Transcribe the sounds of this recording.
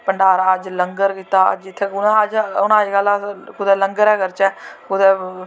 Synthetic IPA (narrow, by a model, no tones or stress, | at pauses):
pəɳɖaːɾaːəd͡ʒləŋɡəɾkiːt̪aːə̰d͡ʒɪt̪ʰːeːʊnãəd͡ʒʊnãːiːɡəlːaːkʊd̪ɛːləŋɡəɾɛːkəɾt͡ʃɛːkʊd̪ɛː